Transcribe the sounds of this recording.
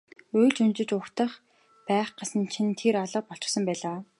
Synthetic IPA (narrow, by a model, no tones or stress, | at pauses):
ʊjɮt͡ɕunt͡ɕɪ̆t͡ɕʊxt̪ə̆χ | pæːχɢasə̆nt͡ɕʰint̪ʰeɾaɮə̆q̚pɔɬt͡ɕɪ̆sə̆mpæːɮaː